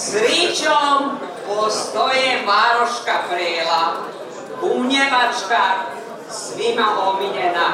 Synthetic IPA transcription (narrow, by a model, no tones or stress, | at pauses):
sɾit͡ʃom | post̪ojemaɾoʃkapɾeːla | umɲeʋat͡ʃka | sʋimapomiɲena